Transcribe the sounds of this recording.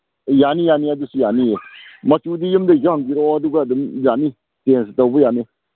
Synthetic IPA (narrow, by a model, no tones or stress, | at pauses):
janijanijadusijanijemat͡ʃudijəmdəjahŋɡiɾduɡadɨmbʲani | tens̬ɨtawbujani